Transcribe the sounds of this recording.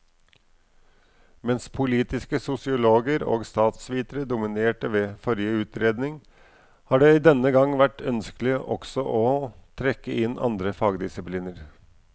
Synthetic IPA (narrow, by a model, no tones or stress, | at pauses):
mɛnspʰʊliːt̪ɪskəsʊsɪʊloːɡəɾo̰ːɡst̪ɑːt̪sʋiːt̪əɾəd̪ʊmɪneːʈəʋeːfɔɾjəʉːt̪ʰɾeːd̪nɪŋ | hɑːɖeːiːd̪ɛnːəɡɑŋːʋæʈːœnskəlɪəʔɔ̰ksɔʔoːt̪ʰɾɛkːəʔɪnɑ̰nd̪ɾəfɑːɡd̪ɪsɪpliːnəɾ